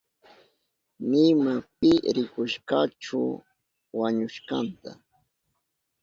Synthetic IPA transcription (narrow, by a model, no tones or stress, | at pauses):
nɪmapɪɾɪkʊʃkɑʈ͡ʂʊ | waɲʊʃkɑnt̪a